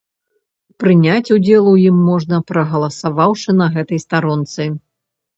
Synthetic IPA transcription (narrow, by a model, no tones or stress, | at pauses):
pɾɨnʲat͡sʲud͡zʲɛlˠujimːɔʐnɐpɾɐɣɐlˠɐsavawʂɨnɐɣɛt̪ɐjst̪aɾɔnt̪sɨ